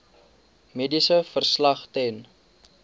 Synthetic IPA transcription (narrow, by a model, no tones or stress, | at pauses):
medisəfərslɐχtɛn